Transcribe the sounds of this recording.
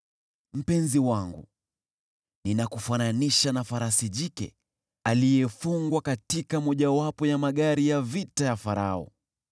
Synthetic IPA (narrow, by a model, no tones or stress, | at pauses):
m̩pɛnziwaŋɡṵ | ninakufananiʃanafaɾasiʄikɛ̰ | alijɛfuŋɡwakatikamɔʄawapɔjamaɠaɾijavitajafaɾa̰ɔ̰